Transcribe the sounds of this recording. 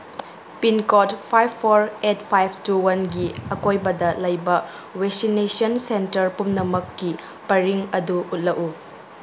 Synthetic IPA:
pinkotpʰajbʰoɾetpʰajbʰʱtuwɐnɡiɐkojbɐdɐlɐjbɐ | weksinesionsentɐɾpumnɐmɐkːi | pɐɾiŋɐduut̚lɐku

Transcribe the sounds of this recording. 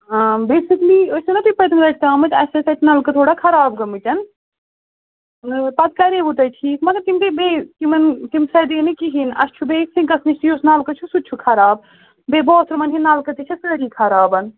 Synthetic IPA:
aːbeːsikliːɐsʲinɐt̪uipɐt̪imlɐʈ̚ʰt̪aːmɨt̪ɐsɐsɐt̪naːlkɐt̪ʰoːɽakʰɐɾaːbɡɐmit͡ʃɐn | pɐt̪̚kɐɾebut̪ɐjʈʰiːkmɐɡɐɾt̪imt̪ebeːt̪imɐnt̪imsɐd̪inikiɦinɐ̰st͡ʃʰubeːksĩɡɐsnist̪ijosnaːlkɐt͡ʃʰusut͡ʃʰukʰɐɾaːb̚ | beːbɔːt̪ʰɾmɐnɦinːaːlkɐt̪it͡ʃʰɐsəːɾiːkʰɐɾaːbɐn

